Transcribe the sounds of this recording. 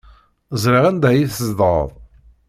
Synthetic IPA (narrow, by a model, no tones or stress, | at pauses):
zˤɾiʁænd̪æjiθəzd̪ɾə̰ðˤ